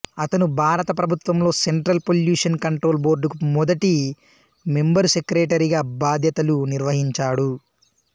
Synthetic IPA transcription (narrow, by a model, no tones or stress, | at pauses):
ɐt̪ɐnubʱaːɾɐt̪ɐpɾɐbʱut̪ʋɐmlo̞ːseɳʈɾɐlpoljuːʂɐnkɐɳʈɾo̞ːlbo̞ːɾɖukumɔd̪ɐʈi | membɐɾsekɾeːʈɐɾiɡaːbaːd̪ʱjɐt̪ɐluniɾʋɐɦiɲt͡ʃaːɽu